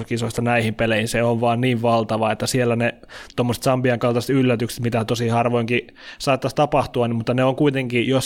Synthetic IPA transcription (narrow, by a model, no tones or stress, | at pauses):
kisoisʲt̪ɑnæihimpelehinseoʋʋɑːnniːʋʋɑlt̪ɑʋɑet̪ːæsielːæne | t̪omːose̥t̪sɑmpiɑŋkɑlt̪ɑse̥t̪ylːæt̪ykse̥t̪mit̪æt̪osihɑrʋoiŋki | sɑːt̪ːɑst̪ɑpɑht̪uɑnimut̪ːɑneoŋkuit̪eŋkijos